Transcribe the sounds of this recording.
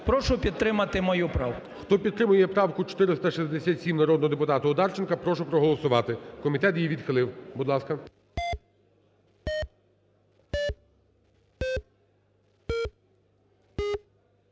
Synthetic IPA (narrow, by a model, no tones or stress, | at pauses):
pɾɔʃʊpʲid̪̚t̪ːɾɪmɐt̪ɪmɔjupɾɑwkʊxt̪ɔpʲid̪t̪ːɾɪmʊjɛpɾɑwkʊt͡ʃɔ̥t̪ɪɾɪst̪ɐʃizʲd̪esʲat̪ʲsʲimnɐɾɔd̪nɔɦɔd̪epʊt̪ɑt̪ʊɔd̪ɑrt͡ʃenkɐpɾɔʃʊpɾɔɦɔlˠɔsʊʋɑt̪ɪkɔmʲit̪ɛt̪jijʋʲid̪xɪlˠɪwbʊd̪lˠɑskɐ